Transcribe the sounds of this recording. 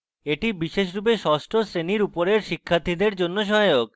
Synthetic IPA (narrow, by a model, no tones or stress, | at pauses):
eʈibiʃeʃ̬ɾubeʃɔsʈʰosɾeniɾupoɾeɾʃikʰːat̪ʰid̪eɾd͡ʑonːoʃ̬ɔɦjok